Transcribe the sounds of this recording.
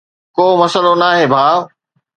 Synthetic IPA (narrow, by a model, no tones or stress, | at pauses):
koːmɐsəlonaːɦeːbʱaː